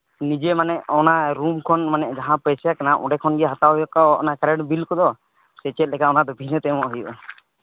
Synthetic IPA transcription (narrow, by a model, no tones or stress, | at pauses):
nid͡ʒɛmanɛʔɔnaɾumkʰɔnmanɛʔd͡ʒaɦãpɛsjakanaʔɔ̰̃ɖɛkʰɔnɡɛɦat̪awjɔkɔɔ̰nakaɾɛɖbilkɔd̪ɔ | sɛt͡ʃɛt̪̚lɛkaʔɔnad̪ɔbʱinət̪ɛmɔʔɦujɔʔɔ